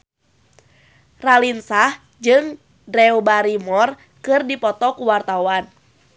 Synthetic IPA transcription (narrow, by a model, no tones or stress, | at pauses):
ralinsah | d͡ʒɨŋ | dɾɛubaɾimɔr | kɨrdipɔt̪ɔkuwart̪awan